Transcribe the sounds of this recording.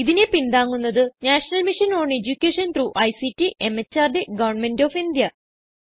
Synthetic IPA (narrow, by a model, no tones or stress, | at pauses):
iðinepind̪aːŋːunːɐðɨnaːʂɐnɐlmiʂɐnoːɳed͡ʑukʲːeːʂɐnt̪ruʔɐjsitːiʔemet͡ɕːaːrɖeɡɐʋɐrɳmendoːfind̪jɐ